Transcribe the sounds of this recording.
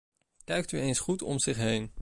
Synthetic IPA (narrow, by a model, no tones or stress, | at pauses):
kɛɥk̚tyejnsχutɔ̰mzɪχɦejn